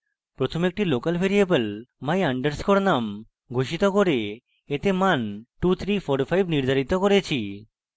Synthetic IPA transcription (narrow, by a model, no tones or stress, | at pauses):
pɾot̪ʰomek̚ʈilokalbʱeɾiebelmajaɳɖeɾskoɾnam | ɡʱoʃit̪okoɾe | et̪emanʈut̪ʰɾifʰoɾfʰajbniɾd̪ʱaɾit̪okoɾet͡ɕʰi